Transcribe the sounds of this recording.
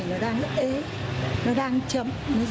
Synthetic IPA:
nɔ˨˦ɗaː˧ŋʔe˨˦ | nɔ˨˦ɗaː˧ŋt͡ɕə̰˧˨mnɔ˨˦z

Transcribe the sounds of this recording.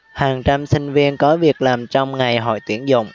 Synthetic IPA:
haː˨˩ŋt͡ɕa˧msï˧ŋ̟vi˧ənkɔ˨˦vi˨˩ək̚laː˨˩mt͡ɕɔ˧wŋ͡mŋa˨˩jɦɔ̰˧˨jt̪i˧˩əŋzʊ̰˧˨wŋ͡m

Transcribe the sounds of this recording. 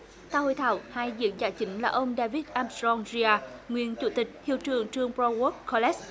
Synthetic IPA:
t̪aː˧˩ho̰˧˨jt̪ʰa̰ː˧˨whaː˧jzɨ̰˧˨˥əŋzaː˧˨˩t͡ɕï˨˦ŋ̟laː˨˩ʔə˧wŋ͡mɗaː˧vi˦˥t̚ʔaː˧mszɔ˧ŋzi˧aː˧ŋwḭ˧˨ənt͡ɕu˧˩˦t̪ï˨˩k̟̚t̪ʰḭ˧˨əwt͡ɕɨ˨˩əŋt͡ɕɨ˧əŋpɾɔ˧ɣɔ˦˥t̚kɔ˧lɛ˦˥s

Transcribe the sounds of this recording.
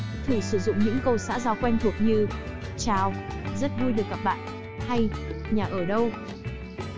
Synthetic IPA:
t̪ʰɨ˧˩sɨ˧˩zʊ̰˧˨ŋ͡mɲɨ̰˧˥ŋkə˧wsa̰ː˧˥zaː˨˩wkwɛ˧jŋt̪ʰu˨˩ək̚ɲɨ˧t͡ɕaː˨˩wzə˦˥t̚vjɗɨ˨˩ək̚ːaː˨˩p̚ɓa̰ː˧˨n | ha˧jɲaː˨˩ʔəː˧˩ɗə˧w

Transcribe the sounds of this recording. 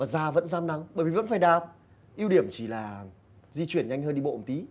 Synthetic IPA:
vaː˨˩zaː˧və̰˧˥nzaː˧mna˨˦ŋɓəː˧˩jvi˨˩və̰˧˥nfaː˧˩jɗaː˨˩p̚ | ʔi˧əwɗi˧˩əmt͡ɕi˧˩laː˨˩ | zi˧t͡ɕwi˧˩ənɲa˧jŋ̟ɦəː˧nɗi˧ɓo̰˧˨˩t̪i˨˦

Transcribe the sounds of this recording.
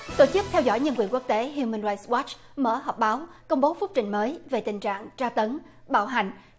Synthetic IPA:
t̪o˧˩t͡ɕɨ˦˥k̚t̪ʰɛ˧wzɔ̰˧˥jɲə˧nkwi˨˩ənku˦˥ək̚t̪e˨˦ɦu˧mə˧nɹaː˧jswɔ˦˥t͡ɕ | mə̰ː˧˩ɦɔː˨˩k͡p̚ɓaː˨˦wkə˧wŋ͡mɓo˨˦fʊ˦˥k͡p̚t͡ɕï˧˩ŋ̟məː˨˦jve˨˩t̪ï˨˩ŋ̟t͡ɕa̰ː˧˨ŋt͡ɕaː˧t̪ə˨˦n | ɓa̰ː˧˩wɦa˨˩jŋ̟

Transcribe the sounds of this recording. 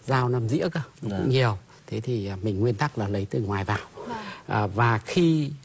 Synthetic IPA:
zaː˧wna˧mzḭ˧˥əka˧˩˧kʊ̰˧˥ŋ͡mɲi˨˩əw | t̪ʰe˨˦t̪ʰi˨˩˨mï˨˩ŋ̟ŋwi˧ənt̪a˦˥k̚laː˨˩lə˨˦jt̪ɨ˨˩ŋwaː˨˩jvaː˨˩wʔəː˨˩vaː˨˩xi˧

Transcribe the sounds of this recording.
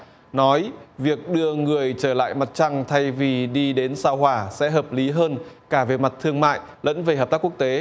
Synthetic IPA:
nɔ˨˦jvi˨˩ək̚ɗɨ˧əŋɨ˨˩əjt͡ɕəː˧˩la̰ː˧˨jma˨˩t̚t͡ɕa˧ŋt̪ʰa˧jvi˨˩ɗi˧ɗe˨˦nsaː˧wɦwaː˧˩sɛ̰˧˥ɦəː˨˩p̚li˨˦ɦəː˧nkaː˧˩ve˨˩ma˨˩t̚t̪ʰɨ˧əŋma̰ː˧˨j | lə̰˧˥nve˧˨˩həː˨˩p̚t̪a˦˥ku˦˥ək̚t̪e˨˦

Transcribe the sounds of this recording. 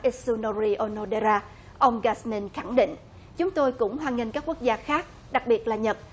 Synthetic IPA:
ʔi˦˥su˧no˧ɾi˧ʔo˧no˧ɗe˧zaː˧ | ʔə˧wŋ͡mɣaː˨˧˩smi˧nxa˧˩ŋɗḭ˧˨ŋ̟ | t͡ɕʊ˨˦ŋ͡mt̪o˧jkʊ̰˧˥ŋ͡mɦwaː˨˩nŋï˧ŋkaː˦˥kːu˦˥ək̚zaː˧xaː˦˥k̚ | ɗa˨˩k̚ɓi˨˩ət̚laː˨˩ɲə˨˩t̚

